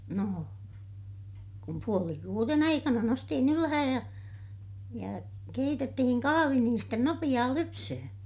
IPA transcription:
no kum puoli kuːren ɑikɑnɑ nostihin ylæhæj jɑ jɑ keitetːihin kɑhɑʋi niːn sten nopij̆ɑː lypsøhø̃ː

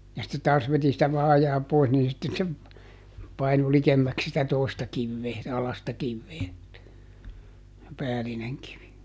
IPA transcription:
jɑ sitːe tɑːs ʋeti sitæ ʋɑːjɑː pois niː sitːe se pɑinu likemːæks sitæ toˑi̯stɑ kiʋːeː ɑlɑstɑ kiʋːeː se pæːlineŋ kiʋi

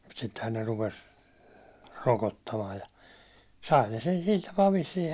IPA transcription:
mut sitːehæn ne rupes rokotːɑmɑːj jɑ sɑi ne sen sil tɑpɑː ʋisːiː

